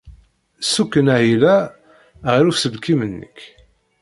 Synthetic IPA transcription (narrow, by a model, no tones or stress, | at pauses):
sukːənæɦilæ | ʁiɾufsəlkimənːə̰k